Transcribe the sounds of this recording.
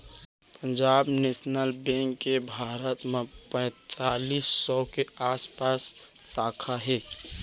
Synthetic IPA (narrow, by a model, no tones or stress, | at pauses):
pə̃ɲd͡ʒaːbneːsnəlbɛ̃ːŋkːebʱaːɾət̪mẽpɛ̃ːt̪aːliːsːɔkeaːspaːsːaːkʰaɦɛː